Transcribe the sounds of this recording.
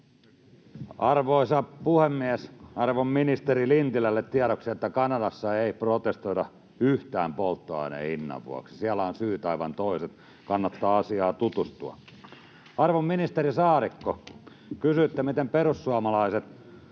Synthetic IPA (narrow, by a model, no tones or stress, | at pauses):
ɑrʋoisɑpuhemːiæsɑrʋomːinist̪erilint̪ilælːet̪tiæɾoksiet̪ːækɑnɑdɑsːɑeiprot̪est̪oitɑ | yht̪æːmpolt̪ːoɑ̰inḛinːɑ̰ʋʋṵɑ̰ksi̥siælːæonsyːt̪ɑiʋɑ̰nt̪oiset̪ | kɑnːɑt̪ːɑːɑsiɑːt̪ut̪ust̪uɑ̰ | ɑrʋomminist̪eɾisɑːɾikːo | kysyet̪ːæmit̪emperusːuɑmɑlɑiset̪